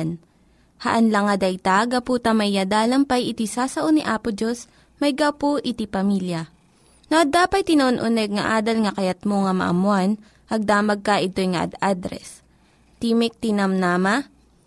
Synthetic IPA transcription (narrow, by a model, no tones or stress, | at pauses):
n | hɐʔɐnlɐŋɐd̪ɐjt̪aɡɐpuːt̪ɐmɐjːad̪aːlɐmpɐjʔɪt̪isaːsɐʔoniʔaːpʊd͡ʒos | mɐjɡawpoʔɪt̪ipɐmiːljɐ | noʔɐd̪aːpɐt̪̚t̪ːɪnɐʔonʔʊnɛɡ̚ŋɐ̰ʔaːd̪ɐlŋɐkɐjɐt̪̚moŋɐmɐ̰ʔɐ̰mwan | ʔɐɡ̚d̪aːmɐɡ̚kɐʔɪt̪ojŋɐʔɐ̰d̪ad̪ɾɛ̰s | t̪iːmɪk̚t̪inɐmnaːma